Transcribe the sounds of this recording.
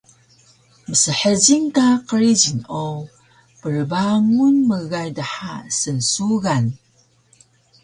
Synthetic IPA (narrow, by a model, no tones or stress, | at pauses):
məsəħəd͡ʑiŋkaqəɾid͡ʑino | pəɾbaŋunməɣajdaħasənsuɣan